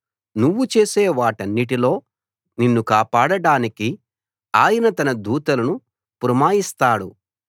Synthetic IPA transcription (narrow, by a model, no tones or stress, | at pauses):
nuʋːut͡ʃe̞ːseːʋaːʈɐnːiʈilo̞ː | ninːukaːpaːɽɐɽaːniki | aːjɐnɐt̪ɐnɐd̪uːt̪ɐlɐnu | puɾɐmaːjist̪aːɽṵ